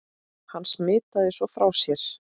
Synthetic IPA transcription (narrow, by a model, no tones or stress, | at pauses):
hanːsmɪːt̪aðɪsvɔfɾawsjɛɾ̥